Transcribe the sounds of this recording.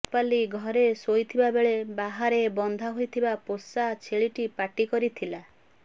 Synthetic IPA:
paliɡʱɔɾesojt̪ʰibabeɭebaɦaɾebɔnd̪ʱaɦojt̪ʰibaposat͡ʃʰeɭiʈipaʈikɔɾit̪ʰila

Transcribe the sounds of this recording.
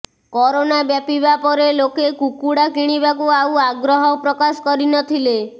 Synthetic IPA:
kɔɾonabjapibapɔɾelokekukuɽakiɽ̃iβakuawaɡɾɔɦɔpɾɔkasɔ̥kɔɾinɔt̪ʰile

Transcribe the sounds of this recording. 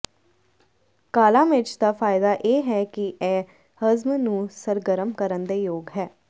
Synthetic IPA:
kaːlãːmɪt͡ʃd̪aːfʰaːɪd̪aːʔeːɦɛːkɪʔɛː | həzmnũːsəɾɡəɾəmkəɾənd̪eːjoːɡɦɛː

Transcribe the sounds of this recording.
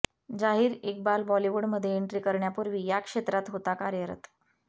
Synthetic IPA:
d͡zaɦiːɾek̚balbɔliʋuɽməd̪ʱːjeiɳʈɾiːkəɾɳjapuɾʋiːjakʂet̪ɾat̪ɦot̪akaɾjəɾə̰t̪

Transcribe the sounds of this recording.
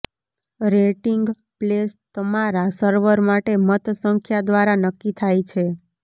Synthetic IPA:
ɾeʈiŋɡ | plest̪əmaɾasəɾʋəɾmaʈemət̪səŋkʰjad̪ʋaɾanəkːit̪ʰajt͡ʃʰe

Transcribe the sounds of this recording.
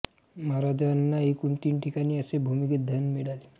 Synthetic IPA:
maɾad͡zanːaekunt̪iːnʈʰikañiːəsebʱumiked̪ʱjanmiɽali

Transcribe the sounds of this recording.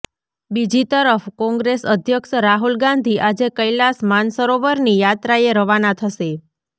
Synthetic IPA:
bid͡ʒit̪əɾəfkɔ̃ŋɡɾesəd̪ʱjəkʃəɾaɦulɡãnd̪ʱiʔad͡ʒekəjlasmansəɾoʋəɾnijat̪ɾaeɾəʋanat̪ʰəʃe

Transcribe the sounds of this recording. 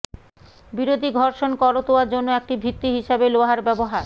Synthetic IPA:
biɾod̪ʱiɡʱɔɾʃonkɔɾot̪oaɾd͡ʑonːoek̚ʈibʱit̪ːiɦiʃabeloaɦaɾbɛboɦaɾ

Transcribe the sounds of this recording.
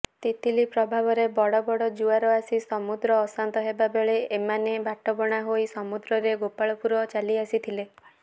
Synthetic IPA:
t̪it̪ilipɾɔbʱabɔɾebɔɽɔbɔɽɔd͡ʒuaɾɔasisɔmud̪ɾɔːsant̪ɔɦebabeɭeːmanebʱaʈɔbɔɽ̃aɦojsɔmud̪ɾɔɾeɡopaɭɔpuɾɔt͡ʃaliasit̪ʰile

